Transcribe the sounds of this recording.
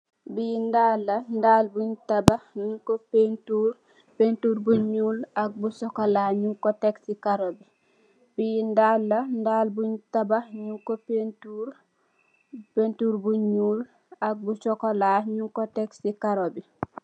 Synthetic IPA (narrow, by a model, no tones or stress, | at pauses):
bindaːlːɐndaːlbuɲtabaɲuŋkopentuːɾ | pentuɾbuɲuːlak̚busɔkɔlaɲuŋkɔtɛksikaɾobi | bijndalːɐndaːlbuɲtabaɲuŋkopentuɾ | pentuːɾbuɲuːl | ak̚but͡ʃɔkolaɲuŋkɔtɛksikaɾobi